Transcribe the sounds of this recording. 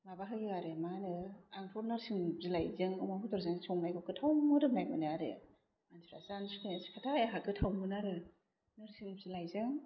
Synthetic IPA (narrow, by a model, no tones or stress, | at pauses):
mabaɦajbiaɾemanɯaŋpʰɔɾnaɾsiŋbzilajzɯŋɯmahutʰɔɾzɯŋsɔŋlajkʰɔkʰɯtʰawmɔɾɯnajmɯniaɾḛ | mansɾa̰sansukeskʰatʰajaɦakɯtʰawmɯnaɾɯ | nɯɾsiŋb̚zilajzɯŋ